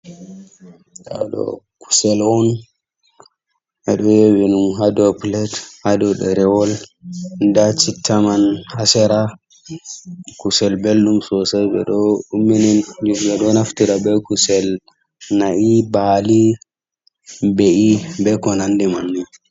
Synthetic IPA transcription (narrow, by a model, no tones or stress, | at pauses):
ɗa̰ɗɔ̰ | ku̥sɛlwɔn | ɛɗɔjɛwɛnumɦadɔplɛthadɔɗɛɾɛwɔlndat͡ʃitʰːamanhasɛɾa | kusɛlbelːumsɔsɛbɛ̰ɗɔumːɛnɛndibɛɗɔnaftiɾabɛkusɛl | naʔibali | bɛʔibɛkɔnandɛmanːi